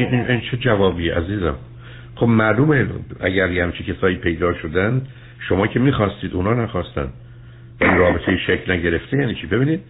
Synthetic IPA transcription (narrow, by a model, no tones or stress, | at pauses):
iinʔint͡ʃʰed͡ʒævɒːbiːeʔæziːzæ̰m | χo̞bmæɾd̪uːmeæ̰ɟæɾjehæmt͡ʃʰicʰesɒːjiːpʰe̞jd̪ɒːʃo̞d̪ænd̪ | ʃo̞mɒːcʰe̞miːxɒːst̪iːd̪unɒːnæxɒːst̪æ̰nd̪̥ | væliɾɒːbet̪ʰejeʃecʰlnæɟe̞ɾe̞ft̪ʰejæːniːt͡ʃʰiːbe̞biːniːd̪̥